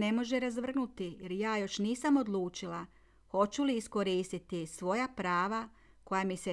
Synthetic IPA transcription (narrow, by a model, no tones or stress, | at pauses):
ne̞mo̞ʒeɾazʋr̩nut̪ijeɾjaːjo̞ʃniːsamo̞d̪lˠuːt͡ʃila | xo̞t͡ɕuliːsko̞ɾiːst̪it̪isʋo̞japɾaːʋa | ko̞jamise